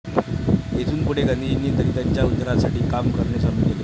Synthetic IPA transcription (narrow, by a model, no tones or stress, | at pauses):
et̪ʰuːnpuɽeɡənd̪ʱid͡ʑinːiːnt̪əɾiːt̪jaɲt͡ɕjaud̪ʱɾasaʈiːkamkəɾɳasaɾukele